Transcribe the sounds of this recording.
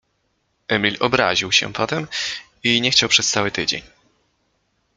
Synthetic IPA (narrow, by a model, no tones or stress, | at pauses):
ʔɛmʲilɔbɾa̰ʑiwɕɛ̰pɔt̪ɛm | iɲɛxt͡ɕawpʂɛst̪sawɘt̪ɘd͡ʑḛɲ